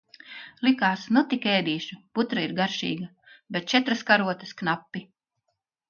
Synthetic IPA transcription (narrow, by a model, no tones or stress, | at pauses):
lˠikaːsnut̪ikɛːd̪iːʃuput̪ɾaiɾɡaɾʃḭːɡɐ | bet̪̚t͡ʃɛt̪ɾaskaɾuɔt̪ɐsknapːi